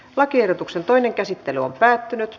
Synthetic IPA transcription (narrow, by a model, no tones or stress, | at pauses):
lɑkiehrdot̪uksent̪oineŋkæsit̪ːelyompæːt̪ːynyt̪